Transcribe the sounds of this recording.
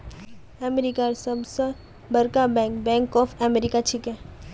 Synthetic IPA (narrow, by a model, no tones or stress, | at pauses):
ɛmeɾikaɾsɐbsə | bɐɾkabɛ̃ːŋkbɛ̃ːŋkɔːfʰɛmeɾikat͡ʃʰikɛ̃ː